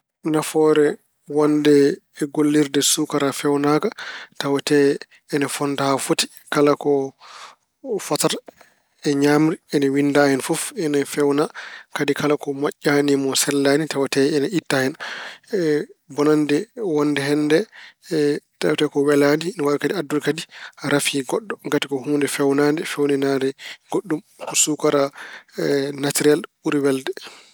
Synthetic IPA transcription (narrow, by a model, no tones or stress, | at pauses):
nafɔɾɛ | wandɛːɡolːiɾdɛsukaɾafɛwnakatawatɛː | nafɔndahafoti̥ | kalakɔ | fɔtaɾ | ɛɲamɾiɛnɛwindahɛnfɔfɛnɛfɛwnakadikalakɔmaʔːanimɔsɛlːanitawatɛɛnaitːahɛn | bɔnandɛwɔndɛɦɛndɛ | tawatɛkɔwɛladiɛnɛwaɾkadiadːulkadiɾafiɡɔɗːɔɡatikɔhuːndɛfɛwnandɛfɛwnɛnadɛɡ̥oɗːum | kɔsukaɾa | natiɾialɓuɾiwɛldɛ